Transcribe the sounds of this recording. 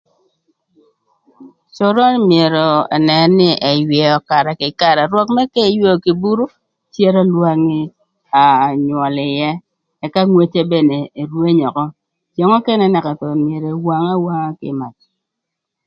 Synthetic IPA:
t͡ʃʊ˨ɾɔ˦mje˨ɾɔ˨ḛ˨nɛ˨nːɪ˦ʔe˨jwɛ˨ɔ˨ka˨ɾɛ˨kɪ˨ka˨ɾɛ˨ɾwɔ˦kmɛ˦kɛ˦jwo˦˨ki˨bu˦ɾu˦ | tje˦ɾɔ˦lwa˦ŋi˦ | a˨ɲwɔ˨lɪ˨jɛ˦ | ɛ˦ka˦ŋwe˦t͡ʃe˦be˦ne˨e˨ɾwe˦ɲɔ˨kɔ˦ | t͡ʃje˨ŋɔ˦kɛ˦nɛ˦nɛ˨ka˨t̪ɔ˨mje˨ɾe˨wa˦ŋa˦wa˦ŋa˦kɪ̰˨ma˨t͡ʃ̚

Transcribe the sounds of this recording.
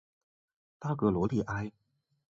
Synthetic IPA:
t̪a˥˩kɤ˧˥lwɔ˧˥li˥˨˩ʔa˥ɪ

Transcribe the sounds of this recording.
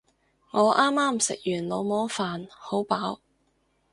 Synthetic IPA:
ŋɔː˨˧ʔaː˥mːaː˥msɪ̰˨k̚jyː˨˩nlo˨˧wmɔː˨˥faː˨nho˨˥wpaː˨˥w

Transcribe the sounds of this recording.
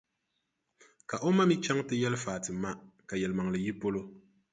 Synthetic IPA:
ka˨ʔo˦ma˦mi˦t͡ʃa˦ŋtɨ˦jɛ˦lɨ˦faː˨tɨ˨˦ma˦ka˨jɛ˨lɨ˨ma˨ŋ˨lɨ˨ji˦po˦lo˦

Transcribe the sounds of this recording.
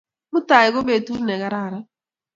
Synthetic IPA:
mʊ˦ta˨ɪ˨ɣo˦be˨tu˦ɾnɛ˨ɣa˦ɾa˦˨ɾa˦

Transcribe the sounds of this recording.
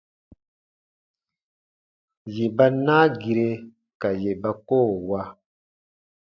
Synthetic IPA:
je˨ba˦na˦ɡi˨ɾe˦ | ka˨je˨ba˦koː˦˨wa˦

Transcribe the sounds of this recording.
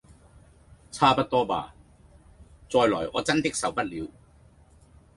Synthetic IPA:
t͡sʰaː˥pɐ˥t̚t̪ɔː˥pa̰ː˨˩ | t͡sɔː˧jlɔː˨˩jɔ̰ː˨˧t͡sɐ˥nt̪ɪ˥k̚sɐ˨˧wpɐ˥t̚liː˨˧w

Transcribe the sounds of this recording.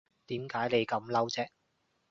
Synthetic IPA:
t̪iː˨˥mkaː˨˥jne˨˧jkɐ˨˥mlɐ˥wt͡sɛː˥

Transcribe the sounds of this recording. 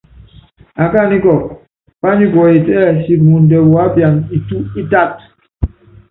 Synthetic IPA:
a˨ka˦˨ni˦kɔ˨ | pa˦ɲi˦kɔ˨i˨tɛː˦˨si˦mu˨n˨dɛ˨wɔ˨a˦pja˨ni˨tu˦i˦ta˦˨t̚

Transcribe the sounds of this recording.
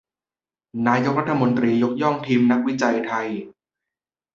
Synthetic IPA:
naː˧˥jo˦˥k̚ɾa˥t̪ʰːmo˧nt̪ɾiː˧jo˦˥k̚jɔ˥˩ŋt̪ʰiː˧mna˦˥k̚wi˦˥t͡ɕa˧jt̪ʰa˧j

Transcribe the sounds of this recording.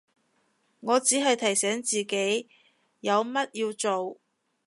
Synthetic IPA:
ŋɔː˨˧t͡siː˨˥ɦɐ˨jt̪ʰɐ˨˩jsɛː˨˥ŋt͡siː˨ke˨˥j | jɐ˨˧wmɐ˥t̚jiː˧wt͡so˨w

